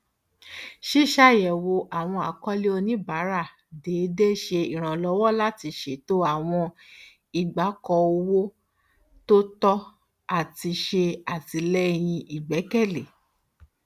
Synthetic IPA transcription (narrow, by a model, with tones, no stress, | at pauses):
ʃi˦˨ʃa˦˨jɛ˨wo˧ʔa˨w̃ɔ̃˧a˨kɔ˦li˦o˧nĩ˦ba˨˦ɾa˦˨ | deː˨˦de˦ʃe˧i˨ɾ̃ã˨lɔ˧˦wɔ˦la˦ti˧ʃe˦˨to˦a˦˨w̃ɔ̃˧ | i˨ɡ͡ba˨˦kɔ˧o˧wo˦ | to˦tɔ˦ | a˨ti˧ʃe˧a˨ti˧lɛ˦j̃ĩ˧ʔi˨ɡ͡bɛ˨˦kɛ˦˨le˨